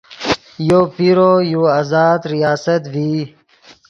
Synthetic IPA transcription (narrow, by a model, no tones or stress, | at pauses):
jopiɾojuːaːzaːd̪ɾijaːsət̪viː